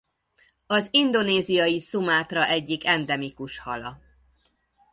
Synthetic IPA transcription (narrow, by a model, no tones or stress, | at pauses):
ɒzind̪o̞neːzijɒjisumaːt̪rɒʔɛɟːikɛnd̪ɛmikuʃhɒlɒ̰